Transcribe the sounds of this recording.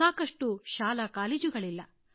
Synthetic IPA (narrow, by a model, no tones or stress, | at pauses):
aːkɐʂʈuʃaːlɐkaːleːd͡ʒuɡɐɭilːɐ